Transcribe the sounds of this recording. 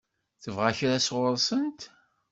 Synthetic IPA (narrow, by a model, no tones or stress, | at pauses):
θəvʁaçɾæsʁʊɾˤsənt̪